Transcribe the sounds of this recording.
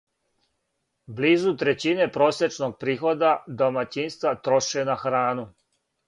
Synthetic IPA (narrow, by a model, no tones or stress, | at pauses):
bliːzut̪ɾet͡ɕine̞pɾo̞ːsjet͡ʃno̞ɡ̚pɾiːxo̞d̪ad̪o̞mat͡ɕinst̪ʋat̪ɾo̞ʃenaxɾaːnu